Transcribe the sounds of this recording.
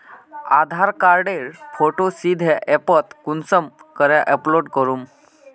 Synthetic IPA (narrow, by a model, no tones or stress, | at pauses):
ad̪ʱaɾkaɾɖeɾfoʈosid̪ʱɛʔɛpət̪kunsəmkəɾjaʔɛploɖkəɾuːm